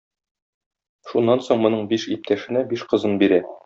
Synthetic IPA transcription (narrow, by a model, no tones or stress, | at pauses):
ʃunːɑnsoɴmŏnɤɴbiʃip̚t̪ʰæʃɘ̆næbiʃqɤ̆zɤnbiɾæ